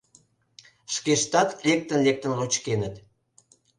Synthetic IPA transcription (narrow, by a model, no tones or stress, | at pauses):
ʃkeʃt̪ɑt̪lek̚t̪ənlek̚t̪ə̆nrot͡ɕkenət̪